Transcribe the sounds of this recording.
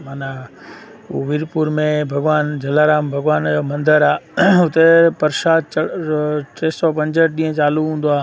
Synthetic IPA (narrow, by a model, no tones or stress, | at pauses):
maːna | uʋɪːɾpuːɾmẽbʱɐɡʋaːnd͡ʑʱɐlaːɾaːmbʱɐɡʋaːnomɐ̃nd̪əɾaːʊt̪epɐɾʃaːd̪̚t͡ɕɐʈeːsɔpɐ̃ɲd͡ʑəʈ̚ɗĩːə̃t͡ɕaːluɦũːn̆d̪oaː